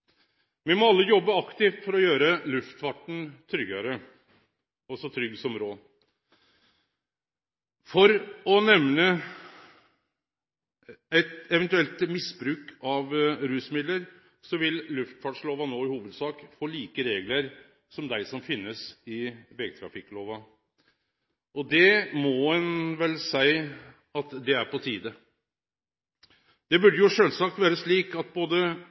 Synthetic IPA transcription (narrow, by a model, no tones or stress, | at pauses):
ʋɪmɔɑlːəjɔbːəɑkt̪ɪft̪fɔɾɔjøːɾəlʉft̪fɑʈɳ̩t̪ʰɾʏɡɑɾə | ɔsɔt̪ʰɾʏɡsɔmɾoː | fɔɾɔnɛʋnə | ɛt̪ɛʋɛnt̪ʉɛlt̪mɪsbɾʉːkɑʋɾʉːsmɪd̪ləɾ | sɔʋɪllʉft̪fɑɖʂloːʋɑnoːɪhuːʋəd̪sɑːkfoːliːkəɾeːɡləɾ | sɔmd̪æɪsɔmfɪnːəsɪʋɛɡət̪ʰɾɑ̰fɪkːloːʋɑ | ʔɔd̪ɛmɔɛnʋɛlsæɪ | ɑt̪d̪ɛæɾpɔt̪ʰiːd̪ə | d̪̥ɛbʉɖəjʊʂøːlsɑk̚t̪ʋæːɾəsɭiːkɑt̪̚boːd̪ə